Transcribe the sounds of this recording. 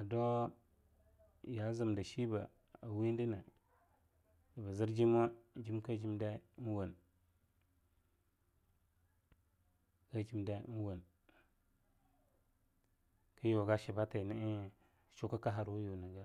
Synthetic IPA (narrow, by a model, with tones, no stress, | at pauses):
a˨do˦ | ja˦za˨mda˨ʃi˦ba˨ | a˨wi˦ndi˦na˨ | da˨ba˨zi˦ɾd͡ʒi˦mo˦d͡ʒi˦mka˦d͡ʒi˦mda˦n˦wa˨n | ka˦d͡ʒi˦mda˦n˦wa˨n | ka˦jo˨ɡa˦ʃi˨ba˦ta˨ni˦˨ | t͡ʃo˦ka˦ka˦ɦa˨ɾwu˦jo˨na˨ɡa˦